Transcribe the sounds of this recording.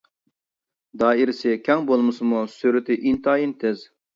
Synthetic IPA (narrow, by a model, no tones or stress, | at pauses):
d̪ɑːiɾɪsɪkʲʰɛŋbolˠmɨsɨmusyɾɪt̪ʰɪʔint̪ʰɑːjint̪ʰɛz